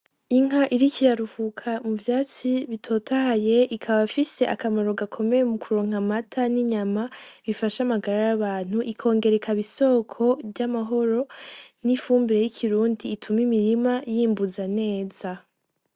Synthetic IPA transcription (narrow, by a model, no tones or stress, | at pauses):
iŋ̥aʔiɾicijaɾuhukʰamuvjaːt͡siβitʰo̞ːtʰahaje̞ikʰaβafise̞ʔakamaɾo̞ɡakʰo̞me̞jemukʰuɾo̞ːŋ̥amatʰaniɲamaβifaʃamaɡaɾajaβaːn̥huʔikʰo̞ːŋɡe̞ɾe̞kʰaβiso̞ːkʰo̞vɟamaɦo̞ɾo̞nifuːmbiɾe̞jikʰiɾuːndiːtʰumimiɾimajiːmbuzane̞ːz̥a